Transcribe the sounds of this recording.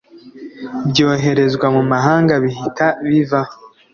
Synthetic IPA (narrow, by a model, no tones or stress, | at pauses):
bjoːɦe̞ɾe̞zɡwamumaɦaːŋɡaβiɦitaβiva